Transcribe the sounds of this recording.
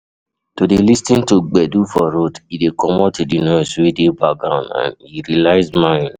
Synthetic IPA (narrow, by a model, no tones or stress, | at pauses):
todelistĩntuɡ͡bɛdufɔɾodidekɔmɔtedinɔ̃suedebaɡãʊ̃nã̰niɾilaɪzmãɪ̃n